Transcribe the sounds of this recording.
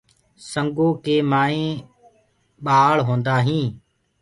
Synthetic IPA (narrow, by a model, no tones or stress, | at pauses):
səŋɡoːkeːmaːẽː | ɓaːɭɦõːnd̪aːɦĩː